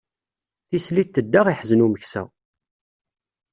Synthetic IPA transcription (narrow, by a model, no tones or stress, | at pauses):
θisliθt̪ːəd̪ːaʁiħzənuməçsæ̰